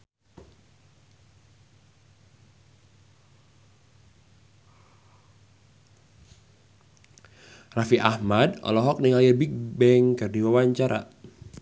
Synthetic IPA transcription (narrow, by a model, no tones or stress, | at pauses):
rafiʔahmadɔ̰lɔɦɔk̚niŋaljəbik̚bɛŋkərdiwawaɲt͡ʃaɾa̰